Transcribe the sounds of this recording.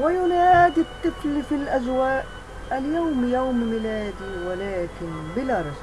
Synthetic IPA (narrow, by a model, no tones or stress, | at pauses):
wɪjʊnaːd̪ɪt̪ːɨflfilʔazwaːʔ | aljawmjawmmɪlaːd̪iwalaːkɪnbɪlaːɾˤɑs